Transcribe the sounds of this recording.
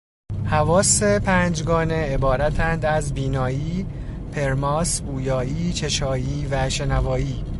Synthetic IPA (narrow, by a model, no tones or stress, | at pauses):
hævɒːse̞pʰæːnd͡ʒɡɒːne̞ebɒːɾæt̪ʰænd̪æzbiːnɒːjiː | pʰe̞ɾmɒːsbuːjɒːiːt͡ʃʰe̞ʃɒːjiːvæʃe̞nævɒːjiː